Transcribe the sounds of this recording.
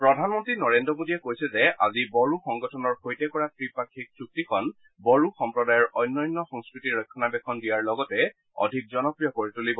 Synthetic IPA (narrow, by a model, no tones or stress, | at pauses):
pɹɔdʱanmɔntɹinɔɹendɹɔmodiɛkojsɛzɛa̰zibɔɹuxɔŋɡɔtʰɔnɔɹhojtɛkɔɹatɹipakʰːik̚suk̚tikʰɔn | bɔɹuxɔmpɹɔdajɔɹɔjnːɔjnːɔxɔŋskɹitiɹɔjkʰːɔnabɛkʰɔndijaɹlɔɡɔtɛ | ɔ̰dʱik̚zɔnɔpɹijɔkoɹitulibɔ